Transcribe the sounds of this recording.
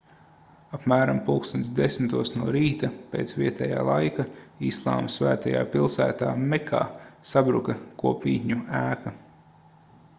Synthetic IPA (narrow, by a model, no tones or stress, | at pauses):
apmæːɾampulˠkst̪unt̪sd̪esmt̪uɔsnuɔɾiːt̪apeːt̪sviɛt̪ɛja̰ːlˠajkaislˠa̰ːmsvæ̰ːt̪aja̰ːpilˠsæ̰ːt̪aːmɛkʰa̰ːsabɾukɐkuɔpmʲḭːt̪ʲɲuæːka